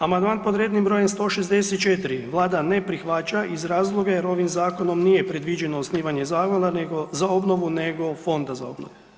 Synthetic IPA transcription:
amand̪maːnpod̪ɾeːd̪nimbɾo̞ːjemst̪o̞ːʃezd̪e̞set̪t͡ʃet̪iɾiʋlˠaːd̪ane̞pɾixʋat͡ʃaʔizɾaːzlˠo̞ɡajeɾo̞ʋimzaːko̞no̞mniːje̞pɾe̞d̪ʋid͡ʒe̞noːsniːʋaɲe̞zaːxʋalanɡozao̞bno̞ʋune̞ɡo̞fo̞nd̪aza̰o̞bno̰ʋu

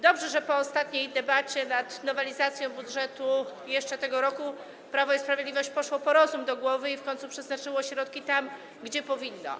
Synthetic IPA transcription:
d̪ɔbʐɛʐɛpɔːst̪at̪ɲejd̪ɛbat͡ɕɛnat̪nɔvɛlʲizat̪sʲjɔ̃w̃budʐɛt̪ujɛʂt͡ʂɛt̪ɛɡɔɾɔku | pɾavɔispɾavʲed̪lʲivɔɕt͡ɕpɔʂwɔpɔɾɔzumd̪ɔɡwɔvɘifkɔɲ̃t̪supʂɛznat͡ʂɘwɔɕɾɔt̪kʲit̪am | ɡd͡ʑɛpɔvʲinːɔ̰

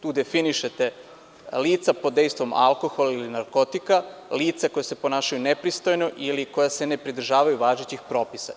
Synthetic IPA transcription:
t̪uːd̪e̞finiʃet̪e̞ | liːt̪sapo̞d̪d̪e̞jst̪ʋo̞mʔa̰lˠko̞xolailinaɾko̞t̪ikaliːt̪sako̞jese̞po̞naːʃajunepɾist̪o̞jnoʔilikojase̞ne̞pɾid̪ɾ̩ʒaːʋajuʋaːʒet͡ɕixpɾo̞ːpisa̰

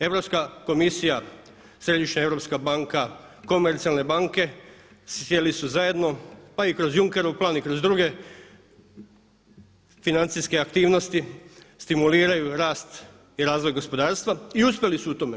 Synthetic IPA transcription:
e̞ʋɾopskako̞misija | sɾe̞d̪iʃɲae̞ʋɾopskabaŋkako̞me̞ɾt̪sialˠne̞baŋke̞ | sje̞lisuzaje̞d̪no̞paikɾo̞zjuŋke̞ɾuuplˠaːnikɾo̞zd̪ɾuɡe̞ | finant̪siske̞akt̪iːʋno̞st̪i | st̪imuliːɾajuɾaːst̪ | iɾaːzʋo̞jɡo̞spo̞d̪aːɾst̪ʋaiuspʲjelisuut̪o̞ːme

